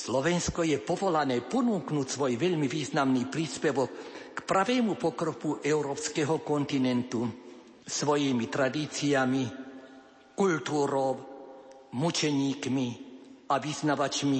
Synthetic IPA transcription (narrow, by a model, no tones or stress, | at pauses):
slɔʋɛnskɔjɛpɔʋɔlanɛːpɔnuːknuːcsʋɔjʋɛʎmiʋiːznamniːpɾiːspɛʋɔkːpɾaʋɛːmupɔkɾɔpuʔɛʊɾɔːpskɛɦɔkɔnt̪inɛnt̪u | sʋɔjimit̪ɾad̪iːt͡siami | kult̪uːɾɔw | mut͡ʃɛɲiːkmiaʋiznaʋat͡ʃmi